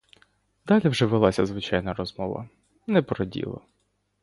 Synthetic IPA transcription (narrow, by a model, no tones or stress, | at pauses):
d̪ɑlʲiwʒɛʋelˠɑsʲɐzʋɪt͡ʃɑjnɐɾɔzmɔʋɐ̰ | nɛpɾɔdʲḭlˠɐ̰